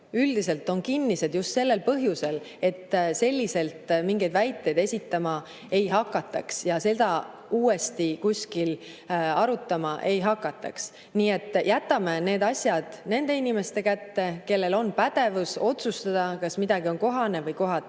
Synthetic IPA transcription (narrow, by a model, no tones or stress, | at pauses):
yld̪̥ise̞lt̪ːˑo̞nkinːise̞d̪̥just̪se̞lːe̞lpɤɦjuse̞l | e̞t̪ːse̞lʲːise̞lt̪miŋɡejd̪̥væjt̪ːˑe̞jd̪e̞sʲit̪ːɑmɑ | e̞jɦɑkːˑɑt̪ːˑɑksjɑse̞d̪̥ɑ | uːe̞st̪ikusʲkil | ɑɾut̪ːˑɑmɑʔe̞jɦɑkːˑɑt̪ːˑɑ̰ks | niːe̞t̪ːˑjʔæt̪ːˑɑme̞ne̞ːd̪ɑsʲjɑd̪̥ne̞nd̪̥e̞inime̞st̪e̞kæt̪ːe̞ke̞lːe̞lo̞npæd̪̥e̞vuso̞t̪sust̪ɑd̪̥ɑkɑsmid̪̥ɑɡio̞nko̞ɦɑne̞vɤjko̞ɦɑt̪ː